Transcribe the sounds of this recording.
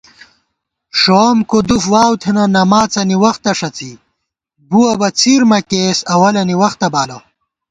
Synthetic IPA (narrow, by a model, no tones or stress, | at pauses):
ʂomkod̪ufwaːwt̪ʰenɐnɐmaːt͡sɐniwɐxt̪ɐʂɐt͡si | buwɐbɐt͡siːɾmɐkeːsɐwɐlɐniwɐxt̪ɐbaːlo